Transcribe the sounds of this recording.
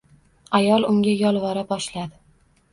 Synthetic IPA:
ajɒlˠʊŋɡʲajɒlˠvɒɾabɒʃlad̪ɪ

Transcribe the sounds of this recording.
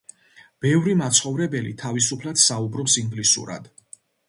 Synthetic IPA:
b̥ɛvɾimat̪sʰχɔvɾɛbɛlḭt̪ʰavisupʰlad̪̥saubɾɔpsiŋɡlisṵɾa̰d̪̥

